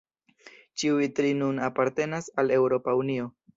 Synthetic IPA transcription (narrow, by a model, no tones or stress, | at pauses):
t͡ʃiuitɾinunapaɾte̞nasale̞wɾo̞paunio̞